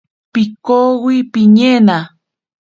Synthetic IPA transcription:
pikowipiɲena

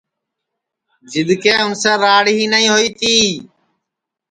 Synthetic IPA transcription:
d͡ʒɪd̪keːʊnsẽːɾaːɽɦiːnəĩːɦoːiːt̪iː

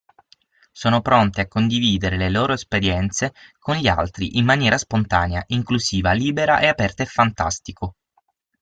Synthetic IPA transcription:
soːnopɾont̪eakːond̪iviːd̪eɾeleloːɾoespeɾjɛnt̪sekonʎia̰lt̪ɾiʔimːanjɛːɾʔaspont̪aːneaʔiŋkluziːvaliːbeɾa̰ʔeapɛrt̪aefːant̪a̰st̪iko

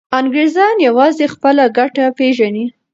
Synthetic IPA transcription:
aŋɡɾezɑnjawɑzexpəlaɡaʈapeʒani

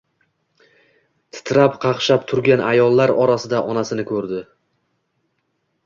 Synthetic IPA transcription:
t̪ʰɪ̥t̪ʰɾapqʰɑqʃapt̪ʰʊɾɡʲanʔajɒlˠːaɾɒɾasɪd̪aʔɒnasɪnɪkʰɵɾd̪ɪ

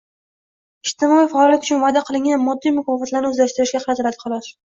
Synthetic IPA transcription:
ɪʃt̪ɪmɒijfaɒljat̪ʊ̥t͡ʃʰʊnvad̪aqʰɨlˠɪŋʲanmɒd̪ːijmʊkɒfat̪laɾnɪɵzlʲaʃt̪ɪɾɪʃɡʲaqʰɑɾat̪ʰɪɾad̪ɪ̥qʰɑlˠɒʃ

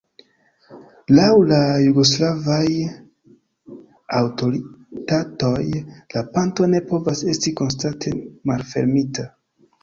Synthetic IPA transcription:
lawlajuɡo̞s̬lavaj | awto̞ɾitato̞jlapanto̞ne̞po̞vase̞stiko̞nstantʰe̞malfe̞̰ɾmita

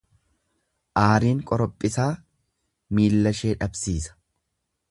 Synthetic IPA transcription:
ʔaːɾiːŋkʼɔɾɔpʼːɪsaː | miːlːɐʃe̞ːᶑɐbsiːsɐ̥

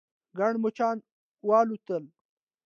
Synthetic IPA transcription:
ɡaɳmut͡ʃɑːn | wɑːlut̪əl

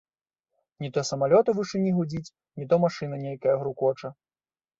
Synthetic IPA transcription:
nʲit̪ɔsɐmalʲɔt̪ɐvɨʂɨnʲiɣud͡zʲit͡sʲ | nʲit̪ɔmaʂɨnɐnʲejkɐjɐɣɾukɔt͡ʂɐ

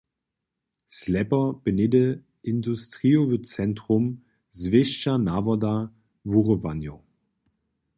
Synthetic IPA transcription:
slɛpɐb̥ənɪdə | ɪndustʁ̥iɔvət͡sɛntʁʊm | zveʃt͡ʃanavɐda | vuʁəvanjo

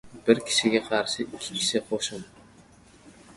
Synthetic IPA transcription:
b̥ɪɾkʲʰɪ̥ʃɪɡʲaqʰɑɾʃɪʔɪkʲʰːɪ̥kʲʰɪ̥ʃɪqʰoʃɪm

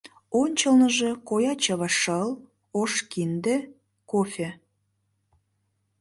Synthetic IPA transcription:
onʲt͡ɕəlnəʒekojɑt͡ɕɑβɑʃəl | oʃkind̪ĕ | kofʲe

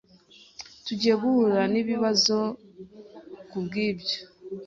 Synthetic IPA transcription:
tuɟe̞βuɾaniβiβazo̞ | kubɡiːbjo̥

